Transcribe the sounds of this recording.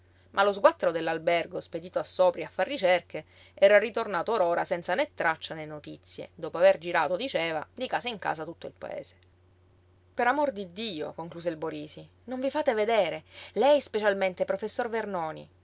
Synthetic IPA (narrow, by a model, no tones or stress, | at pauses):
mʔalozɡwat̪ːeɾod̪elːalberɡosped̪iːt̪oasːɔːpɾjaafːarːit͡ʃerke | ɛːɾarit̪ornaːt̪ooɾoːɾasɛnt̪sanet̪ːɾat͡ʃːanenːot̪it̪sːjḛd̪oːpoaverd͡ʒiɾa̰ːt̪od̪it͡ʃeːvad̪ikaːsaiŋka̰ːsat̪ut̪ːoilpa̰ḛːz̥e̥ | peɾamord̪id̪ːiːo̰koŋkluːzeilboɾiːsi | noɱvifaːt̪eved̪eːɾelɛjspet͡ʃalment̪epɾofesːorvernɔːnḭ